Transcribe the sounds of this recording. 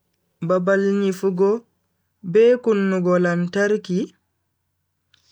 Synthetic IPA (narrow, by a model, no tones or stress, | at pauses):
babalɲifuɡɔ | bɛkunːuɡɔlantaɾki